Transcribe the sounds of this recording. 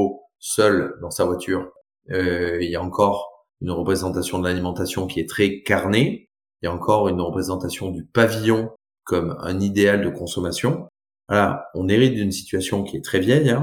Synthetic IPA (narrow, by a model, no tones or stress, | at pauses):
o | sœld̪ɑ̃savwat̪ʰyːʁ | øiljaɑ̃kɔʁ | ynʁəpχezɑ̃t̪asjɔ̃d̪əlalimɑ̃t̪asjɔ̃kʲiɛt̪χɛkaʁne | iljaɑ̃kɔʁynʁəpχezɑ̃t̪asjɔ̃d̪ypavijɔ̃ | kɔmɛ̰̃nid̪eald̪əkɔ̃sɔmasjɔ̃ | alaɔ̃neʁit̪̚d̪ynsi̥t̪ɥasjɔ̃kʲiɛt̪χɛvjɛjɛ̃